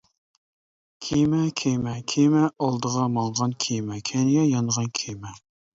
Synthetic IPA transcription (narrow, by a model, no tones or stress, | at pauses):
kʲʰejmɛkʲʰejmɛkʲʰemɛɑlˠd̪əʁɑmɑŋʁɑnkʲʰejmɛkʲʰɛnɪɡɛjɑnʁɑnkʲʰejmɛ